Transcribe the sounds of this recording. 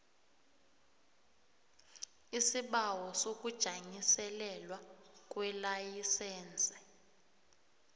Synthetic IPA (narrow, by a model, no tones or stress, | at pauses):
isiɓawɔsok̬ʼud̥ʒ̥ʱaɲisɛlɛlwak̬ʼwɛlajisɛːnd͡zʼʱɛ̥